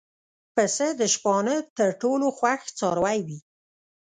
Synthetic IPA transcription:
pəsəd̪əʃpɑnət̪əɾʈoloxwaxt͡sɑɾwajwi

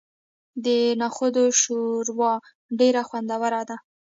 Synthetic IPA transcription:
d̪ənɑxod̪oʃoɾwɑ | ɖeɾaxwand̪awəɾad̪a

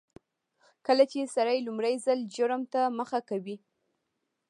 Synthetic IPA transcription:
kəlat͡ʃesaɾajlʊmɾajzalʒəɾəmt̪aməxakawi

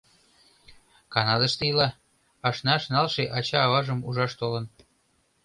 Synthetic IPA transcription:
kɑnɑd̪əʃt̪ejəlɑ | ɑʃnɑʃnɑlʃeʔɑt͡ɕɑːβɑʒəmuʒɑʃt̪olə̆n

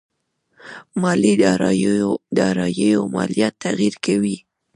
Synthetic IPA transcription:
mɑlid̪ | d̪ɑɾɑjəjomɑ̰lijat̪ːaɣiɾkawi

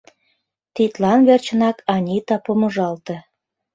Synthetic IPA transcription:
t̪it̪lɑnβert͡ɕənɑkʰɑnʲit̪ɑpomoʒɑlt̪ĕ

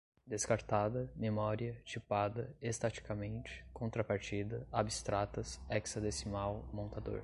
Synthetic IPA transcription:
d̪eskaɾt̪ad̪ɐmemɔɾiɐt͡ʃipad̪ɐest̪at͡ʃi̥kamẽnt͡ʃɪ̥kõnt̪ɾapaɾt͡ʃid̪ɐabist̪ɾat̪ɐsɛksɐd̪esimawmõnt̪ad̪o̰ɾ

